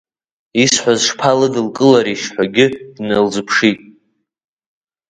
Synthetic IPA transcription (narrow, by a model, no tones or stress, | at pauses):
isħʷazʂpʰalɨdɨlkʼɨlaɾiʃħʷaɡʲɪd̥nalzɨpʰʂitʼ